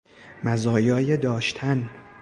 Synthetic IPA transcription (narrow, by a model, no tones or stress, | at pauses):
mæzɒːjɒːjed̪ɒːʃt̪ʰæn